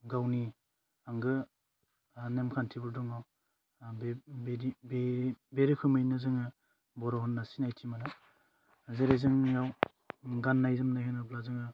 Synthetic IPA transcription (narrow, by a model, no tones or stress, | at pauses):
ɡawni | aŋɡɯ | nemkʰantʰibuɾdɔŋaw | bɾibebeɾikʰɯmɯjnɯzɯŋɯ | bɔɾɔɦɔnːasinajtʰimanɯ | zeɾezɯŋjaw | ɡanːajzɯmnajkʰɯnɯblazɯŋɯ